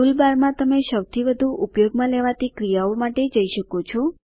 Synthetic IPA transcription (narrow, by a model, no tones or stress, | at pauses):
ulbaɾmãt̪əmesəwt̪ʰiʋəd̪ʱuʔupjoɡmãleʋat̪ikɾijaomaʈed͡ʒəiʃəkot͡ʃʰɔ